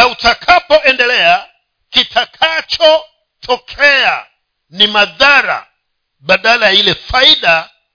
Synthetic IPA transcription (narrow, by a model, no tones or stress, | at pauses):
autakʰapɔʔɛndɛlɛa | kitʰakʰat͡ʃɔ | tʰɔkʰɛa̰ | nimaðaɾa̰ | ɓaɗalajailɛfaiɗa